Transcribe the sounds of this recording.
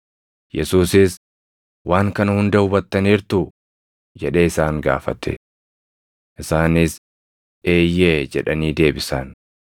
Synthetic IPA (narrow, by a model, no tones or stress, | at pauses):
jʔɛsuːsɪs | wʔaːŋkɐnɐhʊnd̪ɐhʊbɐt̪ːɐniːɾt̪ʊ | d͡ʒɛᶑe̞ːɪsaːŋɡa̰ːfɐt̪ɛ̰ | ʔɪsaːnɪs | ʔe̞ːjːeːd͡ʒɛᶑɐniːd̪e̞ːbɪsɐn